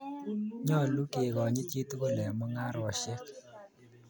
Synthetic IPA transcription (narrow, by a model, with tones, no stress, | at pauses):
ɲɔ˦˨lu˦ke˨ɣɔ˨ɲɪ˦t͡ʃi˦t̪ɡo˦lɛ˨mɔ˦ŋa˦ɾɔ˨ʃɛ˦k